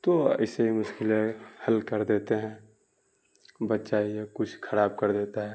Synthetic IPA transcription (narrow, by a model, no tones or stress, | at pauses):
t̪oɐ̰ɪseɦimʊʃkɪlehɐlkəɾd̪eːt̪eɦɛ̃ː | bətːʃaiekʊt͡ʃʰkʰɐɾaːb̚kɐɾd̪eːt̪aɦɛ